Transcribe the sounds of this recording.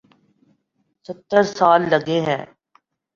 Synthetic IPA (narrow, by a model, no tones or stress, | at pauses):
sət̪ːəɾsaːlːɐɡeɦɛ̃ː